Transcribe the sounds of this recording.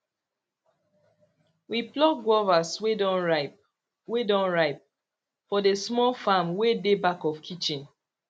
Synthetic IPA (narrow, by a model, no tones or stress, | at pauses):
wiplɔk̚ɡwɔvaswedɔ̃nɹ | wedɔ̃nɹaɪp̚ | fɔdesmɔlfamwedebakɔfkʰit͡ʃĩn